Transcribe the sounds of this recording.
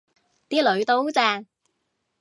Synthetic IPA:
t̪iː˥lɵ˨˧ɥt̪o˥wt͡sɛː˧ŋ

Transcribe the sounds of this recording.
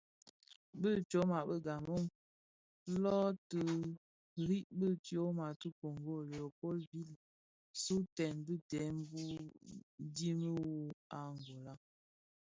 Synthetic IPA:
bə˦t͡ʃo˨˦ma˨bə˦ɡa˨mo˦˨ŋ | lɔ˦tə˨ | ɾi˦ʔbə˦tjo˦ma˨tə˦ko˨ŋɡo˦˨lo˨po˦lbi˦˨l | su˦tɛ˨nbə˦tɛ˨˦m˦bu˦ | di˦mə˦wu˦a˨ŋɡo˨la˦

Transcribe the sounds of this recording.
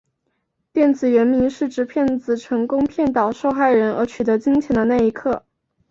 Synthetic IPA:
t̪jɛ˥˩nt͡sɹ̩˨˩ɥɛ˧˥nmi˧˥ŋʂɻ̩˥˩ʈ͡ʂɻ̩˧˥pʰjɛ˥˩nt͡sɹ̩˨˩ʈ͡ʂʰɤ˧˥ŋkʊ˥ŋpʰjɛ˥˩nt̪ɑ˨˩ʊʂo˥˧ʊxa˥˩ɪɻə˧˥nə˧˥t͡ɕʰy˨˩t̪ɤ˧˥t͡ɕi˥ŋt͡ɕʰjɛ˧˥nd̪ə˧na˥˩ɪi˧˥kʰɤ˥˩

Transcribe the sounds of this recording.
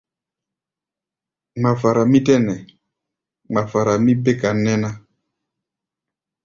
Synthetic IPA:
ma˨fa˨ɾa˨mi˦tɛ˦nɛ˨ | ma˨fa˨ɾa˨mi˦be˦ka˨nɛ˦na˦

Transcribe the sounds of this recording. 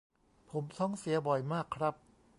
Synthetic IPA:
pʰo˩˦mt̪ʰɔ˦˥˩ŋsi˨˩˦bɔ˨˩jmaː˥˩kʰːɾa˦˥p̚

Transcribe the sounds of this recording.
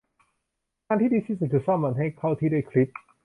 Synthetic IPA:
kaː˧nt̪ʰiː˥˩diː˧siː˧˥su˨˩t̪̚ːʰu˧˩saː˥˩mːa˧˩nɦa˥˩jkʰa˥˩wt̪ʰiː˥˩duː˥˩kʰli˦˥p̚

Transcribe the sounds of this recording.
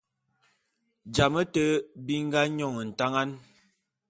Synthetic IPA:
d͡ʒa˨mə˦tə˦bi˦ŋ˦ɡa˦ɲɔ˨ŋə˨n̩˨ta˦ŋa˦n

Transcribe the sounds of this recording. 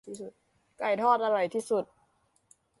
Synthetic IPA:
su˨˩t̪̚ | ka˧˩jt̪ʰɔː˥˩t̪̚ʔa˧ɾa˨˩jt̪ʰiː˥˩su˨˩t̪̚

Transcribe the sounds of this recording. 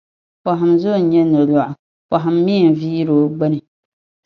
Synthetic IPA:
pa˨ɦɪ˨mzo˦˨˦ɲɛ˦nɨ˨ɾlɔ˨ʔʊ˨ | pa˨ɦa˨mːi˦˨m˨viː˦ɾo˨˦ɡ͡bɛ˦nɨ˨

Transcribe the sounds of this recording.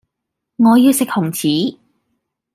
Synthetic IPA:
ŋɔː˨˧jiː˧wsɪ˨k̚hʊ˨˩ŋt͡sʰiː˨˥

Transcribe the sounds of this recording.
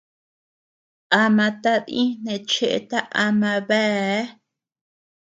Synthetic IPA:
a˧mã˧t̪a˦ðĩ˦nẽ˧t͡ʃe˦ʔḛ˧t̪a˦ʔa˧mã˧βe˦

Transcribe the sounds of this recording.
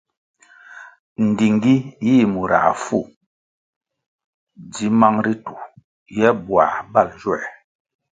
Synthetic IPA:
n̩˨di˨ŋ˦ɡi˦jiː˦˨mu˨ɾa̰˨ʔfu˦˨ | di˨˦ma˦ŋɾi˦tu˨ | jɛ˦bwa̰˨ba˦˨ld͡ʒwɛ˦˨

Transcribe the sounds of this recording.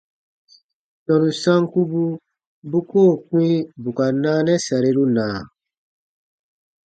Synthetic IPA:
tɔ̃˨nũ˨sã˦ŋku˦bu˦ | bu˦koː˦˨k͡pĩ˦bu˨ka˨naː˦nɛ˦sa˨ɾe˦ɾu˦nãː˨

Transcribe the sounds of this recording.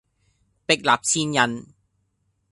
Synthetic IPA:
pɪ˨k̚laː˨p̚t͡sʰiː˧njɐ˨˩n

